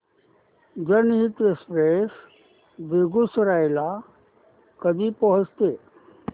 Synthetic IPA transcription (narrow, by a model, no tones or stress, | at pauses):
d͡ʒənɦit̪ekspɾeːs | b̪eɡusɾajla | kəd̪ipəɦʊt͡ʃt̪eː